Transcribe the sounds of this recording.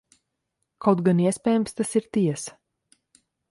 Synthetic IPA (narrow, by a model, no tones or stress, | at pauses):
kawt̪ɡaniɛspʲɛːjamst̪asiɾt̪iɛs